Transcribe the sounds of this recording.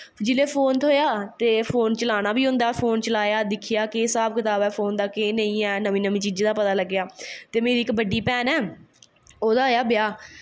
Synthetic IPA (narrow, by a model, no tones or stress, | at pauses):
d͡ʒɪleːpʰoːnt̪ʰoːjaːt̪eːpʰoːnt͡ʃəlaːnaːbiːɦʊ̃nd̪aːpʰoːnt͡ʃəlaːjaːd̪ɪkʰijaːkesaːb̚kɪt̪aːbɛːpʰoːnd̪aːkeːnəĩːɛːnəmĩːnəmiːt͡ʃiːd͡ʒd̪aːpət̪aːləɡːjaːt̪eːmeːɾiːkbəɖːiːpɛːnɛː | oːd̪aːɦoːjaːbjaː